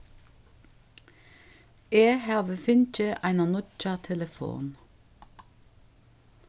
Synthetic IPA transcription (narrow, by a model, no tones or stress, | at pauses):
eːhɑːʋəfʏnc͡çəʔæɪnɑnʊt͡ʃɑt̪ʰɛləfo̰ːn